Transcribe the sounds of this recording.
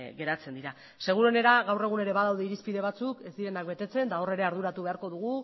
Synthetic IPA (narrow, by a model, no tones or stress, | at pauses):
ɣe̞ɾat͡se̞nd̪iɾa | se̞ɣ̞uɾo̞ne̞ɾaɣawre̞ɣ̞une̞ɾe̞βaðawðeiɾispiðe̞β̞at͡suke̞zd̪iɾe̞nak̚be̞t̪e̞t͡se̞nt̪ao̞re̞ɾe̞aɾðuɾat̪uβe̞aɾko̞ðuɣ̞u